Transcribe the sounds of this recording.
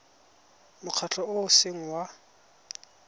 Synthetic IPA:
mʊq͡χʰat͡ɬʰɔʊʊseŋ̩wa

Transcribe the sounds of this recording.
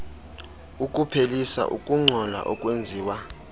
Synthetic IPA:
ukʼupʰelisa̰ʔṵkʼuŋ͡ǀʱɔla̰ʔɔkʼwend͡zʱiːwa

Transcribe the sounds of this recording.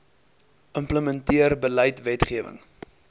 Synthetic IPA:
ʔəmpləməntiərbələjtvɛtχiəvə̰ŋ

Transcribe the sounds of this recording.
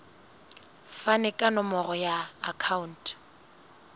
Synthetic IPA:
fanɛkʼanɔmɔrɔja̰ːkʰauntʼ

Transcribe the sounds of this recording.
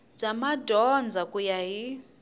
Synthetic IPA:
b͡ʐamadɔnd͡zakʼujaɦi

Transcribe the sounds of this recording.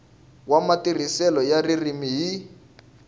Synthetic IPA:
wamatir̤isɛlɔjaririmiɦi

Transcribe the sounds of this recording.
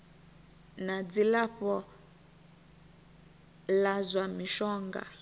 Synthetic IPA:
nad͡zilaɸɔ | lazwamiʃɔːŋɡa̰

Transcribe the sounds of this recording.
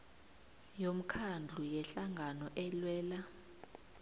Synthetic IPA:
jom̩kʰand͡ɮʱujɛɬaŋʱanɔʔɛlwɛːla

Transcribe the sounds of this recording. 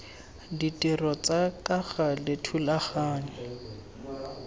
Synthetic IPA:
ditʼirɔt͡sakʼaɣalɪtʰulaχaːɲɛ

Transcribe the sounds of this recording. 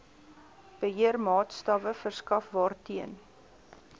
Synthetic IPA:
b̥əɦiərmɑːtstɐvəfərskɐfbɑːrtiən

